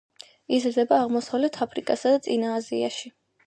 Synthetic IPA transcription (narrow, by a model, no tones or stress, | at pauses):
izɾd̪ɛbaːʁmɔsavlɛt̪ʰapʰɾikʼasad̪at̪sʼinaːzia̰ʃi